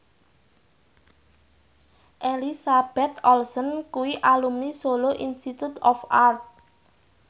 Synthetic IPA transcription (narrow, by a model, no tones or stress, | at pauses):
ʔelisab̥ɛt̪ɔlsɔnkuwiʔalumnisoloʔinst̪it̪ut̪ɔfart̪̚